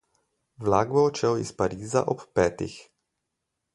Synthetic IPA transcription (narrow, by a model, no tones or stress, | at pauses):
wlaːɡ̚bɔɔt͡ʃɛwispaɾiːza̰ʔɔpːɛːt̪ḭx